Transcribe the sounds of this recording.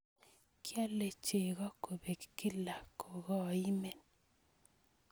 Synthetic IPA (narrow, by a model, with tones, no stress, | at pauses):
kja˦le˨t͡ʃe˨ɣɔ˦ko˨be˨kkɪ˦la˨ko˨ɣɔ˦˨i˦me˨n